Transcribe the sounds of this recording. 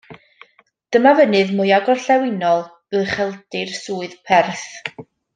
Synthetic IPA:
d̥əmavənɨðmʊjaɡɔrɬɛwɪnɔlˠ | ɨrχɛlˠd̥ɨrsuːɨðpʰɛrθ

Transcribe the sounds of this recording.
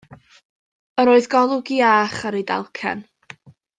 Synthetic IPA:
əɾoːɨðɡɔlˠʊɡiaːχaɾida̰lˠkʰɛ̰n

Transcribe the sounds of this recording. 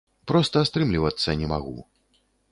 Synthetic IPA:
pɾɔst̪ɐːst̪ɾɨmlʲivɐt̪sːɐnʲɛmaɣṵ

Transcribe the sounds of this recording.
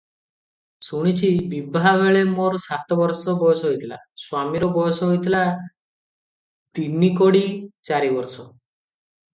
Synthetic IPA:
suɽ̃it͡ʃʰibibʱaβeɭemoɾsat̪ɔbɔɾsɔbɔjɔsɔɦojt̪ʰila̰ | swamiɾɔbɔjɔsɔɦojt̪ʰila | t̪inikoɽit͡ʃaɾibɔɾsɔ

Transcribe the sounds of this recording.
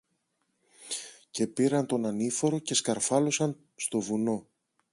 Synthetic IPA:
ce̞piɾɐnt̪o̞nɐnifo̞ɾo̞ce̞skɐɾfɐlo̞sɐn | st̪o̞vuno̞

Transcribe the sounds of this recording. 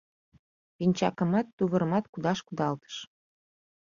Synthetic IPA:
pinʲt͡ɕɑ̰kə̆mɑt̪ːuβə̆ɾəmɑt̪kud̪ɑʃkud̪ɑlt̪ə̥ʃ

